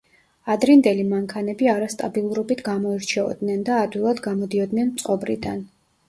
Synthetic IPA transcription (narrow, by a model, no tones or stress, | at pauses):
ad̪ɾind̪ɛlimaŋkʰanɛbiaɾast̪ʼabilˠuɾɔbit̪ʰɡamɔiɾt͡ʃʰɛɔ̰d̪nɛnd̪aːd̪wilˠad̪ɡamɔd̪iɔd̪nɛnmt̪sʼqʼɔbɾḭd̪an